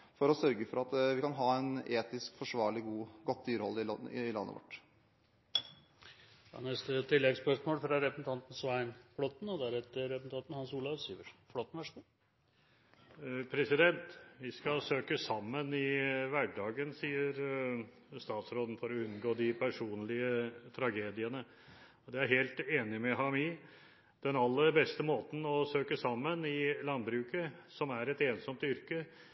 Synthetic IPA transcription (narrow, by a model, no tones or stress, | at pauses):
fɔɾɔsœɾɡəfɔɾɑt̪ʋɪkɑnɦɑːɛneːt̪ɪskfɔʂʋɑːɭɪɡuːɡɔt̪̚ːd̪yːɾəhɔlːɪɪɪlɑ̰nːə̰ʋɔ̰ʈː | nɛst̪ət̪ʰɪlːɛɡspœʂmoːlfɾɑɾɛpɾəsn̩t̪ʰɑnt̪n̩sʋæɪnflɔt̪n̩ɔd̪æɾɛt̪əɾɛpsn̩t̪ɑnt̪n̩hɑnsuːlɑʋsiːʋəɾflɔt̪ːn̩ʋæʂt̪u | pʰɾɛsɪd̪ɛnt̪ʋɪskɑsøːkəsɑmːənɪʋæɖɑːɡənsiːəɾ | st̪ɑːt̪sɾoːd̪n̩fɔɾɔʉnɡoːd̪ɪpʰæʂuːnlɪət̪ʰɾɑɡeːd̪ɪənə | ɔd̪ɛæɾɦeːlt̪eːnɪmɛɦɑmɪ | d̪̥ɛnɑlːəɾbɛst̪əmoːt̪n̩ɔsøːkəsɑmːənɪlɑnbɾʉːkəsɔmæɾɛt̪eːnsɔmt̪ʏɾkə